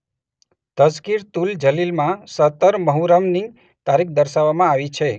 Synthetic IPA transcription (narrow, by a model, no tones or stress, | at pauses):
t̪əskiɾt̪uld͡ʒəlilmãsət̪əɾməɦuɾəmni | t̪aɾik̚ʰd̪əɾʃaʋamãaʋit͡ʃʰe